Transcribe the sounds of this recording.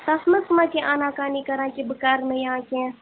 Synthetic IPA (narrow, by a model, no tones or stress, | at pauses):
t̪ɐsməsmãːkeʔaːnãːkaːnikɐɾãːkebəkaːɾmẽjɐɦãːkɛ̃